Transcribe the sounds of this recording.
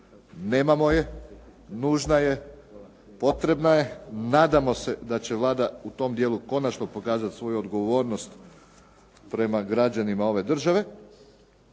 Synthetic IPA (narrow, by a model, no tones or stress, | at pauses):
ne̞ːmamo̞je̞ | nuːʒnaje̞ | po̞t̪ɾe̞bnaje̞naːd̪amo̞se̞d̪at͡ɕe̞ʋlˠaːd̪aut̪o̞md̪jeːlˠuko̞nat͡ʃno̞po̞kaːzat̪sʋo̞juod̪ɡo̞ʋo̞ːɾno̞st̪ | pɾe̞maɡɾad͡ʑanimao̞ʋe̞d̪r̩ʒaʋe̞